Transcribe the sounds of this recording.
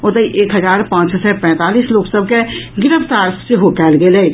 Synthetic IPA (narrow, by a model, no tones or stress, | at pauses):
od̪əiʔeːkɦɐzaːɾpãːt͡ʃssɛpɛ̃ːt̪aːliːsloːksəb̚keɡɪɾəft̪aːɾseɦokɛːlɡele